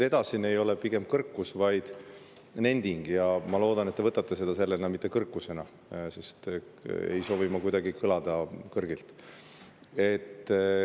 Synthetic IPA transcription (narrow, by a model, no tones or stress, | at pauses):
e̞d̪̥ɑsinːe̞jo̞lepiɡe̞m̚kɤrkːusvɑjd̪̥ | ne̞nd̪iŋɡ̥jɑmɑlo̞ːd̪̥ɑnet̪ːeɤt̪ːˑɑt̪ːˑesed̪̥ɑse̞lːenɑmit̪ˑːe̞kɤrkːˑuse̞nɑ | se̞st̪ḛjso̞ːvimɑkujd̪ɑɡikʰɯlɑd̪̥ɑkɤrɡilt̪ˑ | e̞t̪ː